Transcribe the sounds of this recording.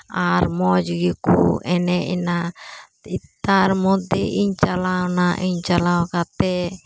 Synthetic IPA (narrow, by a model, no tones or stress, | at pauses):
aɾmɔd͡ʒɡikṵɛnɛina | it̪aɾmɔd̪ɛʔiɲt͡ʃalawnaʔiɲt͡ʃalawkat̪ɛ